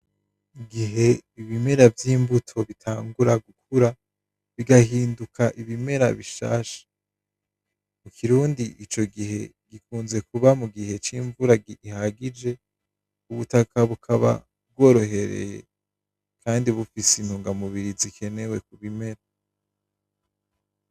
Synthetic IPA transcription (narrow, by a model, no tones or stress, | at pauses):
iɡiɦe̞iβime̞ɾavjiːmbutʰo̞βitʰaːŋɡuɾaɡukʰuɾa | βiɡahiːndukaʔiβime̞ɾa̰βiʃa̰ːʃḁ | mukʰiɾuːndiʔit͡ʃo̞ɡiɦe̞ | ɡ̥ikuːnze̞kuβamuɡihe̞t͡ʃiːɱvuɾaɡiʔihaɡid͡ʒe̞ | uβutakʰaβukʰaβa̰ | b̚ɡo̞ːɾo̞he̞ɾḛje̞̰ | kʰaːndiβufisinhuːŋɡamuβiɾizikʰe̞ne̞we̞kuβime̞ɾa